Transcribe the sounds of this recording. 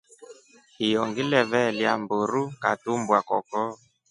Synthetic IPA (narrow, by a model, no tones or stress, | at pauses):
hijɔŋɡilɛβɛljamboɾuka̰tumbwakɔkɔ